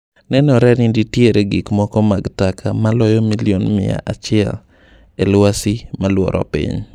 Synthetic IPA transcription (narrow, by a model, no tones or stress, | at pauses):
nɛnɔɾɛnɪditjeɾeɡikmɔkɔmaɡtakʰamalɔjɔmilionmɪja̰ʔat͡ʃɪɛl | elwasimalwɔ̰ɾʔɔ̰pḭɲ